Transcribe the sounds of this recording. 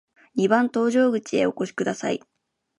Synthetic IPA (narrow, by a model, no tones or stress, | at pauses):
ɲ̟ibãnt̪o̞ːʑo̞ːɡɯ̟t͡ɕie̞o̞ko̞ɕi̥kɯ̟d̪asaḭ